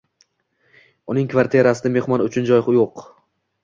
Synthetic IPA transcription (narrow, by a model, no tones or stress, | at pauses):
ʊnɪŋkʰvaɾt̪ʰieɾasɪd̪ame̞hmɒnʊt͡ʃʰʊnd͡ʒɒjχɨjoq